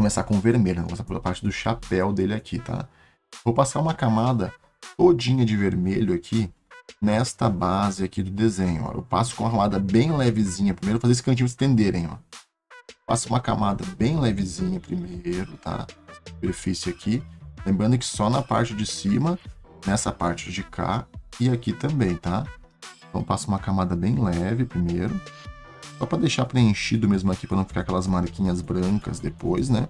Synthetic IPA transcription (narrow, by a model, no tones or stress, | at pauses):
komesakõʊ̃veɾmeʎʊnkomesaɾfapaɾt͡ʃɪd̪ʊʃapɛwd̪elɪakʰit̪ʰa̰ | vowpasaɾũmɐkamad̪ɐ | t̪od͡ʒĩɲɐd͡ʒɪveɾmeʎʊakʰi | nɛst̪ɐbazɪakid̪ʊd̪ezẽɲʊ̰ɔ̰ʔḛwpa̰sʊ̥kõũɐɦɐ̃mad̪ɐbẽj̃lɛvɪzĩɲɐpɾimejɾʊfazesɪkɐ̃t͡ʃĩɲ̃ʊ̃s̬ḁt̪ẽnd̪eɾẽj̃ɔ̰ | pa̰sũmɐka̰mad̪ɐbẽj̃lɛvɪzĩɲɐpɾimeejɾʊt̪a̰supeɾfisɪakʰilẽmbɾɐ̃nd̪ʊkɪ̥sɔnɐpa̰ɾt͡ʃɪd͡ʒɪsimɐnɛsɐpaɾt͡ʃɪd͡ʒɪkʰa̰ɪakit̪ɐ̃mbẽj̃t̪a | ẽnt̪ɐ̃w̃pasʊũmɐkamad̪ɐbẽj̃lɛvɪpɾimejɾʊ | sɔpɾɐd̪ejʃapɾeẽʃid̪ʊmezmʊakipɾɐnɐ̃fikakɛlɐzmaɾkĩɲɐzbɾɐ̃kɐ̰zd̪epojsnɛ